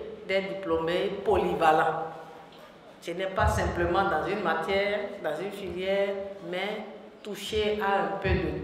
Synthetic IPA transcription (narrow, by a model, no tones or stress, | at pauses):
d̪ɛd̪iplomepolivalã | tənɛpasɛ̃pləmɑ̃d̪ɑ̃zynmat̪jɛːʁd̪ɑ̃zynfiljɛːʁmɛ | t̪uʃeaɛ̃pød̪ə